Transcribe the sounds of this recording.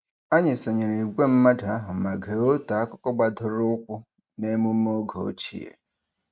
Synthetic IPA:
a˦ɲɪ˨so˨ɲe˨ɾi˨ɡʷe˦m̩˦ma˦da˨a˦ɦʊ˨ma˨ɡe˨o˦ta˨a˦kʷʊ˦kɔ˦ɡ͡ba˨dʊ˨ɾʊ˦kʷʊ˦ | ne˦mu˦m̩˦o˦ɡo˨o̰˦t͡ʃḭ˦ḛ˨

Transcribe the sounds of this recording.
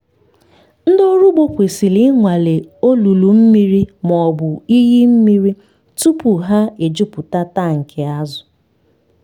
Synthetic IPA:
n̩˦do˦ɾu˦ɡ͡bo˦kʷe˨si˨li˨˦ŋʷa˨le˨o˦lu˨lu˨m̩˦mi˦ɾi˦mɔ˨bʊ˨i˦ɦi˦m̩˦mi˦ɾi˦ | tu˦pu˨ɦa˦e˨d͡ʒu˦pʊ˨ta˦ta˦˨ŋ̩˨kʰe˨a˦zʊ˨

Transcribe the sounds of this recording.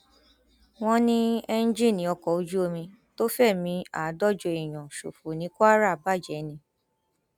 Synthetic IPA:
w̃ɔ̃˦nĩ˦ɛ˦n̩˦d͡ʒi˦˨nĩ˨˧˦ɔ˧kɔ˨o˧d͡ʒu˦o˧mĩ˧ | to˦fɛ˦˨mĩ˧a˨˦dɔ˦˨d͡ʒo˧i˨j̃ɔ̃˨ʃṵ˨fu˨nĩ˨˦kːɾa˦˨ba˦˨d͡ʒɛ˨˦nĩ˧

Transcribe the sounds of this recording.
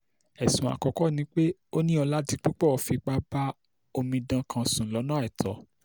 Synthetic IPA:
ɛ˨sũ˨a̰˨kɔ˨kɔ˦nĩ˧˦k͡pe˦o˦nĩ˦ɔ˧la˦ti˧k͡pi˦k͡pɔ˦˨ɔ˨˦fi˧k͡pa˦ba˦ | o˧mĩ˧dã˧kʰã˧sũ˨lɔ˨˦nã˦ɛ˨tʰɔ̰˨˦

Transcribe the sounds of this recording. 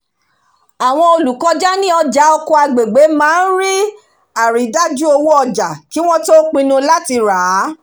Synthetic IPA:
a˨w̃ɔ̃˧o˧lu˨kɔ˧d͡ʒa˦nĩ˦ɔ˧d͡ʒa˨˦ɔ˧kõ˧a˧ɡ͡be˨ɡ͡be˨˦mãː˦n̩˦ɾi˦ | a˨ɾi˨˦da˦d͡ʒu˦o˧wu˦ɔ˧d͡ʒa˨ki˦w̃ɔ̃˦to˦k͡pĩ˧nũ˧la˦ti˧ɾa˨˦

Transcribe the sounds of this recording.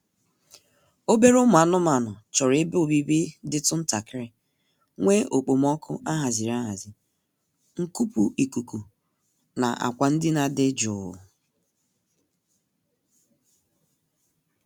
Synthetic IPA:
o˦be˦ɾʊ˦mʊ˨a˨nʊ˦m˦a˨nʊ˨t͡ʃɔ˨ɾɪ˨˦bʊ˨bi˦bi˦dɪ˦tʊ˦n̩˦ta˨kɪ˦ɾɪ˦ | ŋʷe˦o˨k͡po˨m˦ɔ˦kʰʊ˦ʔa˦ɦa˨zi˨ɾa˦ɦa˨zi˨ | ŋ̩˦ku˦pu˦i˨ku˨ku˨ | na̰˨ʔa̰˨kʷa˨n̩˦dɪ˦na˨dɪ˦d͡ʒʊ̰˨

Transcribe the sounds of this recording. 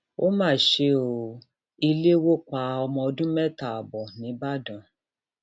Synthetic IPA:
o˦mãː˦˨ʃe˧˦o˨ | i˧le˦wo˦k͡pa˧˦ɔ˧mɔ̃˧ɔ˧dũ˦mɛ˦ta˨a˨bɔ˨nĩ˨˦ba˦dã˨

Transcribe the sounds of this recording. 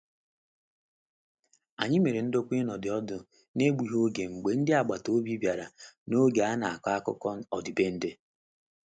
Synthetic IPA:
a̰˨ɲɪ˦me˨ɾe˨n̩˦do˦kʷi˦nɔ˨dɪ˨ɔ˦dʊ˨ | ne˦ɡ͡bu˨ɦo˦ɡe˨ŋ͡m̩˨ɡ͡be˨n̩˦dɪ˦a˨ɡ͡ba˨to˦bi˦bja˨ɾa˨no˦ɡe˨a˦na˨a˨ka˦a˦kʊ̰˦kɔ˦n̩˦ɔ˨dɪ˨be˦n̩˦dɪ˦

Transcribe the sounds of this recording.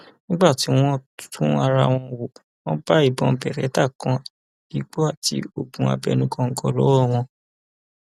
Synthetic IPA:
nĩ˦ɡ͡ba˦˨ti˨˦w̃ɔ̃˦˨tʰũ˦a˧ɾa˧w̃ɔ̃˧wo˨ | w̃ɔ̃˦b̥a˦i˦˨bɔ̃˧bɛ˨ɾɛ˨˦ta˦˨kã˧˦ | i˨ɡ͡bo˦a˦˨ti˧o˨bũ˨a̰˧˨bɛ̰˧˨nũ˦kɔ̃˧ŋ̩˦kɔ˧lɔ˦wɔ˦˨w̃ɔ̃˧

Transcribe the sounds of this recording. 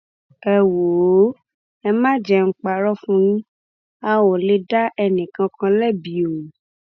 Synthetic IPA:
ɛ˨wo˨˦ | ɛ˧mã˦˨d͡ʒɛ˧ŋ̩˦k͡pa˧ɾɔ˦fũ˦nĩ˦ | a˧wo˨le˧da˦ʔɛ˧nĩ˨kã˧kã˧lɛ˦˨bi˨˦o˨

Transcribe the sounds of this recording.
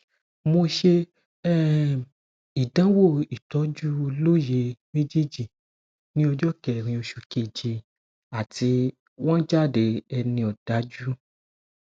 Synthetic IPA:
mo˧ʃe˧ | ɛ˦ | i˨dã˨˦wo˦˨i˨tɔ˨˦d͡ʒu˦˧lo˦je˧mẽ˦d͡ʒi˦˨d͡ʒi˨ | nĩ˦ɔ˧d͡ʒɔ˦kɛ˨ɾ̃ĩ˧o˧ʃu˧˨ke˧˨d͡ʒi˧ | a˨ti˧ | wɔ̃˦d͡ʒa˦˨de˨˧ɛ˧nĩ˧ɔ˨d̥a˨˦d͡ʒu˦

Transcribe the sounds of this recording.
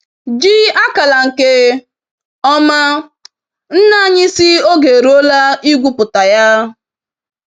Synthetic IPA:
d͡ʒi˦a˦ka˨la˨ŋ̩˨ke˦ | ɔ˦ma˦ | n̩˦na˦ɲɪ˦si˦o˦ɡe˨ɾo˦la˦i˦ɡʷu˦pʊ˨ta˨ja˦

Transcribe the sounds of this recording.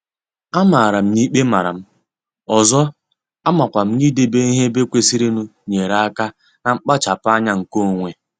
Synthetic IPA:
a˦ma˨ɾa˨m̩˦ni˦k͡pe˦ma˨ɾa̰˨m̩˦ | ɔ˨zɔ˦ | a˦ma˨kʷa˨m̩˦ni˦de˦be˦i˦ɦe˦be˦kʷe˦si˦ɾi˦nu˦ɲe˨ɾa˦˨a˦ka˦ | na˨ŋ͡m̩˦k͡pa˦t͡ʃa˨pa˦ɲa˦ŋ̩˨ko˦˨ŋʷe˨

